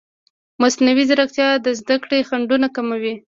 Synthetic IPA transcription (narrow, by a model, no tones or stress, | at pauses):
masnawizaɾakt̪jɑd̪əzd̪akɽexaɳɖunakamawi